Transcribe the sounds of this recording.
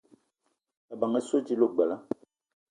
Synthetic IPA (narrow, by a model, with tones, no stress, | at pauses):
ɛ˨ba˨ŋɛ˦so˦d͡ʒi˦lo˦ɡ͡bɛ˨la˦